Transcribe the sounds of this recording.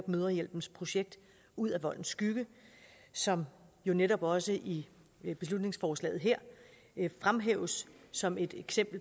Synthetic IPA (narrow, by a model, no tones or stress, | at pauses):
b̥møðˠɐjel̰b̥n̩spʰʁo̝ɕeɡ̥̚d̥ | uð̰ˠæʋɒ̽l̰n̩sːɡ̥yɡ̥ə | sɒ̽mjo̝neɾɒ̽b̥ɒ̽səʔi | b̥e̝slud̥ne̝ŋsfɒːslɛ̰ːð̞̩ˠɦeɐ̰ | fʁamɦeʊsːɒ̽me̝d̥eɡ̥sem̰b̥l̩